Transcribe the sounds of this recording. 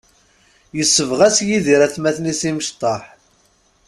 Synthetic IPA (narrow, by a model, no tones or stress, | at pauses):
jəsːəvʁæsjiðiɾæθmæθnisiməʃt̪ˤːɑħ